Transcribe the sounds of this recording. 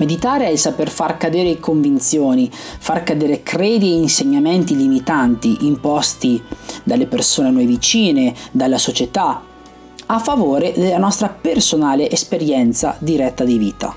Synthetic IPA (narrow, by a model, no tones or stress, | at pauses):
med̪it̪aːɾeɛlsaperfarkad̪eːɾekoɱvint̪sjoːnifarkad̪eːɾekɾeːd̪ieinseɲːament̪ilimit̪ant̪iʔimpɔst̪id̪alːepersoːnenɔjvit͡ʃiːned̪alːasot͡ʃet̪a | afːavoːɾed̪elːanɔst̪ɾapersonaːleʔespeɾjɛnt̪sa̰d̪iɾɛt̪ːad̪iviːt̪a̰